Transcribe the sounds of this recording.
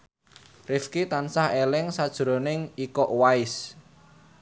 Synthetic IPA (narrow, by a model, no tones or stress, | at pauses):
rɪfkit̪ansahelɪŋsad̥ʒ̥ɾo̤nɪŋikɔʔwaɪs